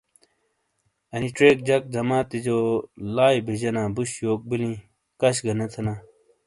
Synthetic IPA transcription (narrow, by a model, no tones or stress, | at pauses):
ɐniʈ͡ʂɾeːk̚d͡ʑɐk̚d͡ʑɐmaːt̪id͡ʑoːlaːjbiʑɐnaːbuɕjoːk̚bilĩ | kɐɕɡɐnɐt̪ʰɐnaː